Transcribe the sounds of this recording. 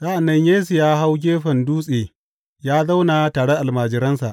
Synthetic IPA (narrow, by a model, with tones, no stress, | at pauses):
za˦ʔa˨nːɐ˦ɲjeː˦su˨jaː˦ɦa˦wɡʲeː˦ɸɐ˨nduː˦sʼeː˨ | jaː˦za˦wna˨taː˨ɽe˦ʔa˨lmaː˨d͡ʒɪ˦ɾɐ˦nsa̰˨ʔ